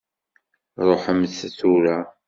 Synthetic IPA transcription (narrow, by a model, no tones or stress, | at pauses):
ɾˤoħəmθθuɾæ